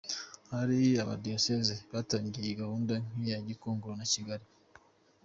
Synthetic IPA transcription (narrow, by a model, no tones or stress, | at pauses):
haɾiaβa̰diosezeβaːtaːɲɟijeɡahuːndaŋ̥ijaɟikoːŋɡoɾonaciɡaɾi